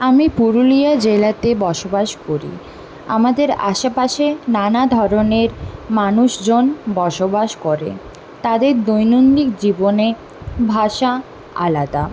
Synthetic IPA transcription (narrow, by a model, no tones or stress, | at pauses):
amipuɾulijad͡ʑelat̪ebɔʃobaʃkoɾḭ | a̰mad̪eɾa̰ʃapaʃenanad̪ʱɔɾoneɾmanuʃd͡ʑonbɔʃobaʃkoɾḛ | t̪ad̪eɾd̪ojnond̪ikd͡ʑibone | bʱaʃa | a̰lad̪a